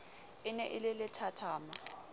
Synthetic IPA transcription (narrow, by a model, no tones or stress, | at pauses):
ɪnɛʔɪlɪlɪtʰatʰaːma